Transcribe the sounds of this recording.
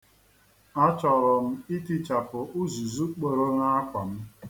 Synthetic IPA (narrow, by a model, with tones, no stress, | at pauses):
ɔ˦t͡ʃɔ˨ɾɔ˨m̩˦i˦ti˦t͡ʃa˨pʊ˨ʔu˦zu˨zu˦k͡po˨ɾo˦ŋa˦a˦kʷa˨m̩˦